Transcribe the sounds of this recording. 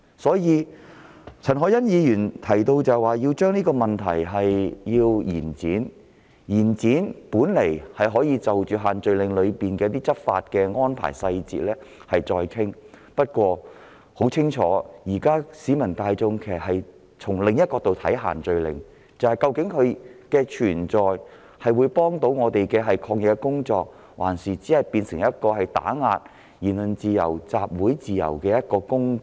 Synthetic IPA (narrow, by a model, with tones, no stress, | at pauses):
sɔː˨˥jiː˨˧ | t͡sʰɐ˨˩nɦɔː˨˥jɐ˥njiː˨˧jyː˨˩nt̪ʰɐ˨˩jt̪o˧wt͡sɐ˨waː˨jiː˧wt͡ʃœː˥ŋniː˥kɔː˧mɐ˨˩nt̪ʰɐ̰˨˩jɦɐ˨jjiː˧wjiː˨˩nt͡siː˨˥n | jiː˨˩nt͡siː˨˥npuː˨˥nle˨˩jhɐ˨jɦɔː˨˥jiː˧t͡sɐ˨wt͡ʃyː˨˩ɦaː˨nt͡ʃɵ˧ɥlɪ˨˧ŋlɵ˨˧ɥpiː˨nkɛː˧t̪̬iː˥t͡sɐ˥t̚fa̰ː˧t̚kɛː˧ŋɔː˥npʰa̰ː˨˩jsɐ˧jt͡sḭː˨t̚lɛː˥ | hɐ˨jt͡sɔː˧jkʰɪ˥ŋ | pɐ˥t̚kʷɔː˧ | ho˨˥wt͡sʰɪ˥ŋt͡ʃʰɔ̰ː˨˥jiː˨˩kaː˥siː˨˥mɐ˨˩nt̪aː˧jt͡sʊ˧ŋkʰe˨˩˨hɐ˨j | t͡sʰʊ˨˩ŋlɪ˨ŋjɐ˥t̚kɔː˧t̪o˨wt̪ʰɐ̰˨˥jɦa̰ː˨˩nt͡ʃɵ˨ɥlɪ̰˨˩ŋ | t͡sɐ˨˧whjkɐ˧wkɪ˨˥ŋkʰɵ˨˧ɥkɛː˧t͡ʃʰyː˨˩nt͡sɔː˨j | hɐ˨jwuː˨˧jpɔː˥ŋt̪o˨˧˥wŋɔː˨˧t̪e˨jkɛː˧ɦɐ˨jkʰɔː˧k̚jɪ˨˧kːɛ˧˥kʊ˥ŋt͡sɔː˧k̚ | waː˨˩nsiː˨˩t͡siː˨˥hɐ˨jpiː˧nsɪ˨˩ŋjɐ˥t̚kɔː˧hɐ˨jt̪a̰ː˨˥ŋaː˧t̚ | jiː˨˩nlɵ˨nt͡siː˨jɐ̰˨˩wt͡saː˧p̚wuː˨˥jt͡siː˨jɐ̰˨˩wkɛː˧jɐ˥t̚kɔː˧kʊ˥ŋ